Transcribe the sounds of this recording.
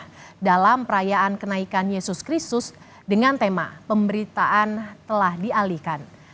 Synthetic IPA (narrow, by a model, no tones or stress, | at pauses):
dalampəɾajaankənaikanjesʊskɾist̪ʊs | dəŋant̪ema̰pəmbəɾit̪aʔant̪əlahdialihkan